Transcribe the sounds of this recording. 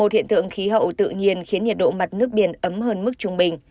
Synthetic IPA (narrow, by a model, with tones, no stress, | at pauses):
o˨˩t̚hḭ˧˨ənt̪ɨ̰˧˨əŋxi˨˦ɦə̰˧˨wt̪ɨ̰˧˨ŋi˧ənxi˨˦ənɲi˨˩t̚ɗo̰˧˨ma˨˩t̚nɨ˦˥ək̚ɓi˧˩ənʔə˨˦mɦəː˧nmɨ˦˥k̚t͡ɕʊ˧ŋ͡mɓï˨˩ŋ̟